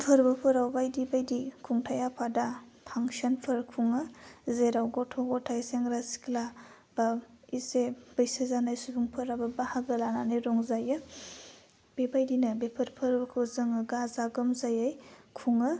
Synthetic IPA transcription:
pʰɯɾbɐpʰɯɾawbajdibajdikʰuŋtʰajapʰadapʰaŋsɐnpʰɐɾkʰuŋɯzeɾawɡɔtʰɔɡɔtʰajseŋɾasi̥kla | b̥aiseb̥ɐjsɐzanajsubuŋpʰɯɾabɐbahaɡɯlananiɾɔŋzajɯ | b̥ebajdinɐbepʰɐɾpʰɯɾbɐkʰɯwzɯŋɯɡazaɡɯmzajajkʰuŋɯ

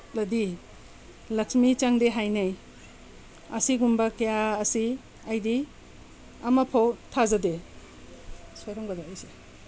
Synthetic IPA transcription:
dɐdi | lɐksmit͡ʃaŋdeɦajnaj | ɐsiɡumbakejaːsi | ɐjdi | ɐmapʰawtʰazade | sojɾɔŋɡadaːjse

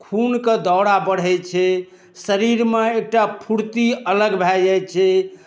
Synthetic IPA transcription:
kʰunked̪ɔwɽabəɽ̤ɛt͡ʃʰɛ | səɾiɾmeek̚ʈapʰuɽt̪iələɡbʱajajt͡ʃʰɛ

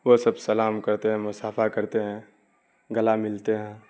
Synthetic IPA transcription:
ʋosɐbsɐlaːmkɐɾt̪eɦɛ̃mʊsaːfʰakɐɾt̪eɦɛ̃ː | ɡɐlamɪlt̪eɦɛ̃ː

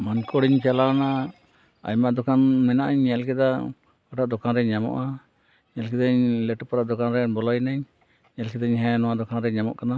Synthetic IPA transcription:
mankɔɽiɲt͡ʃalana | a̰ɲmaʔd̪ɔkʰanmɛnaʔaɲɲɛlkɛd̪a | ɔʈaʔd̪ɔkanɾɛɲamɔ̰ʔa | ɲɛlkɛd̪aɲlɛʈpaɾaʔd̪ɔkanɾɛbɔlɔjnaɲ | ɲɛlkɛd̪aɲɦɛ̃nɔwaʔd̪ɔkʰanɾɛɲamɔ̰ʔkana

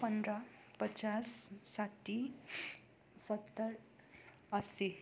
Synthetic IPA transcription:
pʌndrʌ | pʌt͡sasːaʈːi | sʌt̪ːʌr | ʌsi

